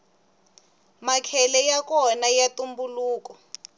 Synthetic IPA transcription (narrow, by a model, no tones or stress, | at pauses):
makʰɛlɛjak̬ɔnajatumbuluːkɔ